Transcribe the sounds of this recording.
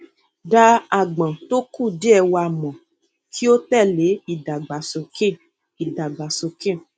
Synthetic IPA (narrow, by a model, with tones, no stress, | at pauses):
da˧a˨ɡ͡bã˨to˦ku˦˨di˦ɛ˧wa˨mɔ̃˨ | ki˦o˦tɛ˦˨le˨˦i˦˨da˨ɡ͡ba˨so˨kẽ˦˨ | i˨da˨ɡ͡ba˨so˧kẽ˦˨